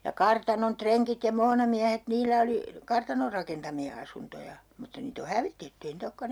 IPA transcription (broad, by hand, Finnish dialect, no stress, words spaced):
jɑ kɑrtɑnon treŋkit jɑ moːnɑmiæhet niːlæ oli kɑrtɑnor rɑkentɑmiɑ ɑsuntojɑ mutːɑ niːt o hæʋitetːy ei niːt okːɑn